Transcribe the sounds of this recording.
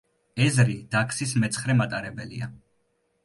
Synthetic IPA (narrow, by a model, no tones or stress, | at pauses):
ɛzɾid̪̥akʰsismɛt̪sʰχɾɛmat̪ʼaɾɛbɛlḭa̰